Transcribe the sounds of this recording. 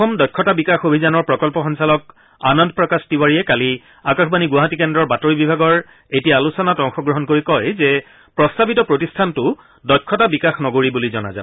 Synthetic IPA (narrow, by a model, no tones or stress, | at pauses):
ɔmdɔjkʰːɔtabikaxobʱizanɔɹpɹɔkɔlpɔxɔnsalɔk̚ | anɔnd̚pɹɔkastiwaɹiɛkali | akaxbaniɡwaɦatikɛndɹɔɹbatoɹibibʱaɡɔɹ | etijaːlusɔnatɔŋxɔɡɹɔɦɔnkoɹikɔjzɛ | pɹɔstabitɔpɹotistʰantʊ | dɔjkʰːɔtabikaxnɔɡoɹibulizɔna̰za̰